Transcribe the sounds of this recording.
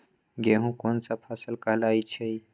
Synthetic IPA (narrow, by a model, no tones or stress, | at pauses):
ɡeɦũkonsapʰasəlkəɦlajt͡ʃʰej